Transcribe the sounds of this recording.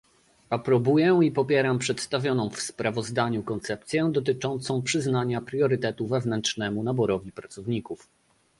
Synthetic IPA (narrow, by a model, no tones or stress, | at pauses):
apɾɔbujɛipɔpʲjɛɾampʂɛt̪st̪avʲjɔnɔ̃w̃fspɾavɔzd̪aɲukɔnt̪sɛp̚t̪sʲjɛd̪ɔt̪̬ɘt͡ʂɔnt̪sɔ̃w̃pʂɘznaɲapɾʲjɔɾɘt̪ɛt̪uvɛvnɛntt͡ʂnɛmunabɔɾɔvʲipɾat̪sɔvɲikuf